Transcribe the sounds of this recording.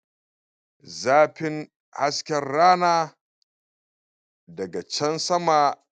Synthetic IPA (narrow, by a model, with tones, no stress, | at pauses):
zaː˦ɸɪ˦ŋ | ha˦skʲɛ˨rːaː˦naː˦ | dɐ˨ɡa˨t͡ʃɐ˦nsɐ˦maː˨